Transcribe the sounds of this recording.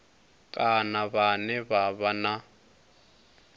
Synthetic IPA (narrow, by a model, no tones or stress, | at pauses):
kʼanaβanɛβaβana